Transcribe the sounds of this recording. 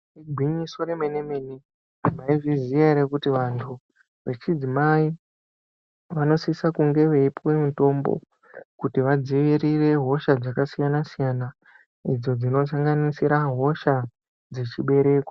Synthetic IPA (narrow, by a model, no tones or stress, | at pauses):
iɡʱwiɲiso̞ɾemenemeni | maiʐizieɾekutiʋantʰu | ʋe̞t͡ʃid͡zimai | ʋano̞sisakuŋɡe̞ʋeipwe̞muto̞mbo̞̰ | kutiʋad͡ziʋiɾire̞ɦo̞ʃad͡zakasijanasijana | id͡zo̞d͡zino̞s̬aŋɡanisiɾaɦo̞ʃa | d͡zet͡ʃiɓe̞ɾe̞ːkwḁ